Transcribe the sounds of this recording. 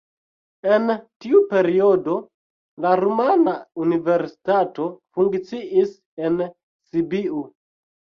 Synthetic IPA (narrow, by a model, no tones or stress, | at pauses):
e̞ntiupe̞ɾio̞do̞ | laɾumanaunive̞ɾsi̥tato̞fuŋkt͡siʔis | en | sibiu